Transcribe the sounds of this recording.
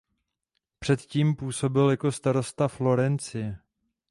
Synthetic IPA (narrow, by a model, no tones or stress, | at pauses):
pr̝̥ɛt̪ciːmpuːso̞bɪljako̞st̪aɾo̞st̪aflo̞ɾɛnt͡sɪjɛ